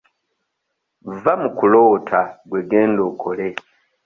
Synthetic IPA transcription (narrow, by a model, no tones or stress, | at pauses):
vamukulo̞ːtʰaɡweɡeːndokʰole